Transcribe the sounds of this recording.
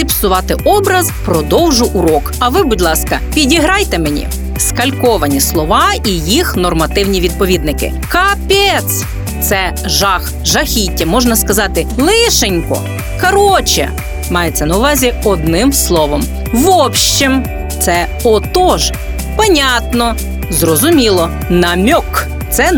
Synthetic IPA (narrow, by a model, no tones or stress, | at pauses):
ɪpsʊʋɑt̪ɪʔɔbɾɐzpɾɔd̪ɔwʒʊʔuɾɔkɐʋɪbʊdʲlˠɑskɐpʲidʲiɦɾɑjt̪emenʲḭ | skɐlʲkɔʋɐnʲislˠɔʋɑijixnɔrmɐt̪ɪwnʲiʋʲid̪̚pɔʋʲid̪nɪkɪ̰ | kɐpʲɛt̪s | t̪sɛ | ʒɑx | ʒɐxʲitʲːɐmɔʒnɐskɐzɑt̪ɪlˠɪʃenʲkɔ̰ | kɐɾɔt͡ʃɛ̰ | mɑjet͡sʲːɐnɐʊʋɑzʲiɔd̪nɪmslˠɔʋɔm | ʋɔpʃt͡ʃim | t̪sɛ | ɔt̪ɔʒ | pɐnʲat̪nɔ | zrɔzʊmʲilˠɔ | nɐmʲɔk | t̪sɛ